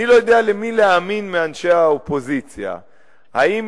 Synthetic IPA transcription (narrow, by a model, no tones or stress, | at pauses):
ilo̞jod̪ealemileaminmeanʃeaopo̞zit͡sja̰ | haim